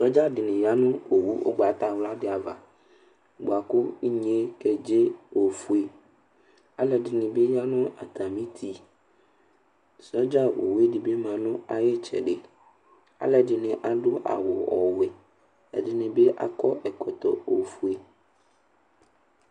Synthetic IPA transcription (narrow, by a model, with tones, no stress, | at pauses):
sɾɔ˦d͡ʒa˦dɪ˨nɪ̃˨ja˦nʊ̃˦o˨wu˦ʔo̰˦ɡ͡ba˨t̪a˦˨wla˦ɖɪ˦a˨va̰˨ | ɡ͡bo˨a˨kʊ˦i˦ɲe˦kɛ˨d͡ʒe˦o˨fu˦e˨ | a˨lɛ˨ɖɪ˨nɪ̃˨be˦ja˦nʊ̃˦a̰˨t̪a˨mĩ˦t̪ʰi˦ | sɔ˦d͡ʒa˦wo̰˨wu˦e˦ɖi˨be˦mã˨nʊ̃˦a˨je˦t͡ʃɛ̰˨ɖe˨ | a̰˦lɛ˨ɖɪ˨nɪ̃˨ʔa˨ɖʊ˦ʔa̰˨wo˨ɔ̰˨wɛ˨ | ɛ̰˨dɪ˨nɪ̃˨be˦ʔa̰˨kɔ˦ʔɛ˨kɔ˨t̪ɔ̰˨o˨fu˦e˨